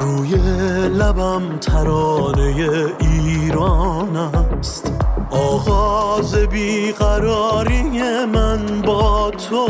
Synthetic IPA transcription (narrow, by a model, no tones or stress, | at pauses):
ɾuːjelæbæmt̪ʰæɾɒːne̞jeiːɾɒːnæst̪ʔɒːɣɒːzebiːɣæɾɒːɾijemænbɒːt̪ʰo